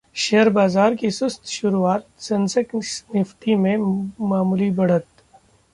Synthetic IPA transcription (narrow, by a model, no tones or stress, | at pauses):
ʃeɦəɾbaːzaːɾkisʊst̪ʃʊɾuaːt̪̚sɐ̃nsəksnɪft̪imẽmaːmuːlibɐɽ̤ət̪